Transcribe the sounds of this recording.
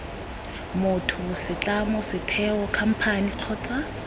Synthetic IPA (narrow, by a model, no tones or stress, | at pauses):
mʊtʰʊsɪt͡ɬʼamɔsɪtʰɛɔkʰam̩pʰaniq͡χʰɔːt͡sʼa